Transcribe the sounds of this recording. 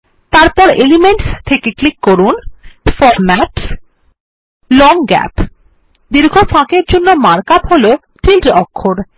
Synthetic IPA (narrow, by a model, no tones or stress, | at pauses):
t̪aɾpɔɾelimeɳʈst̪ʰekeklikːoɾunfɔɾmɛʈ | lɔŋɡɛ̰p | d̪iɾɡʱofãkeɾd͡ʑonːomaɾkapɦolo | ʈʰilʈɔkʰːoɾ